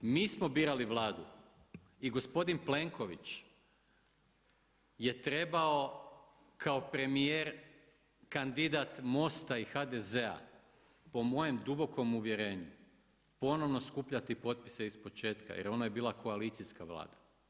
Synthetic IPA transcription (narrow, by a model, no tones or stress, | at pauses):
miːsmo̞biːɾaliʋlˠaːd̪u | iɡo̞spo̞d̪inple̞ŋko̞ʋit͡ʃ | je̞t̪ɾe̞bao̞ | kʰao̞pɾe̞mijeɾ | kand̪id̪at̪mo̞st̪aixad̪e̞zea̰ | po̞mo̞je̞md̪ubo̞ko̞muʋje̞ɾe̞ːɲu | po̞no̞ʋno̞skupʎat̪ipo̞t̪̚pi̥se̞ispo̞t͡ʃe̞ːt̪ka̰jeɾo̞naje̞biːlˠakʰo̞alit̪siskaʋlˠa̰ːd̪̥a